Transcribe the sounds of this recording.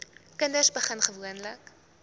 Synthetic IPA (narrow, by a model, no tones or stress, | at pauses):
kəndəsbəχənχəvuənlək